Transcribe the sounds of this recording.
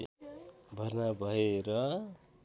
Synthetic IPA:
bʱʌrnabʱʌeɾʌ

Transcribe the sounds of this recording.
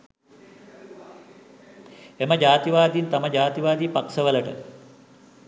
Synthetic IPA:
eməd͡ʒaːt̪iʋaːd̪int̪aməɟaːt̪iʋaːd̪iːpaksəʋələʈə̰

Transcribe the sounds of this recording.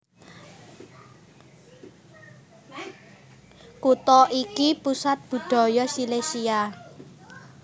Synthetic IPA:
kut̪ɔʔikipusat̪̚b̥ṳd̪̥ɔ̤jɔsilesia

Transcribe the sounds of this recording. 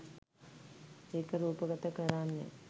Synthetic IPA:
eːkəɾuːpəɡət̪əkəɾanːḛ

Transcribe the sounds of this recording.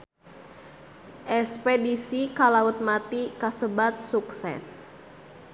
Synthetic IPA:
ʔɛspedisikalaut̪̚mat̪ikasəbat̪̚suksɛ̰s

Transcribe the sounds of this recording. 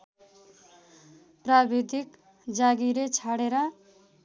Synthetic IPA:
prabid̪ʱik | d͡zaɡiɾet͡sʰaɽeɾʌ

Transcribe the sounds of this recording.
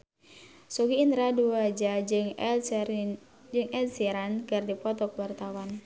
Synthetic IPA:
sɔɡiːnd̪ɾaduwad͡ʒa | d͡ʒɨŋɛlsiɾankɨrdipɔt̪ɔkwart̪awan

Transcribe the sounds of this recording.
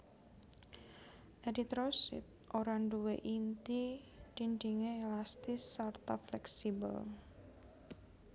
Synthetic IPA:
ʔeɾit̪ɾosɪ̰t̪̚ʔoɾaɳɖuwḛʔint̪i | d̥iɳdiŋeelast̪ɪsːart̪aflɛksibə̰l

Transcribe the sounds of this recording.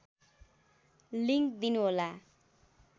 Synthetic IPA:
liŋkd̪inuɦola

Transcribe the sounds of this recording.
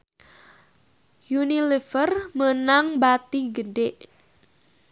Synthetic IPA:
junilefərmənaŋbat̪iɡədeʔ

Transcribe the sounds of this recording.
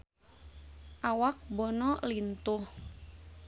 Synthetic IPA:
ʔawak̚bɔnɔlint̪ʊh

